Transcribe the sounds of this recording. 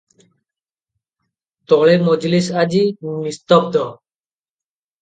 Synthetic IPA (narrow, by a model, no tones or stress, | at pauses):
t̪ɔɭemod͡ʒlisad͡ʒimist̪ɔbd̪ɔ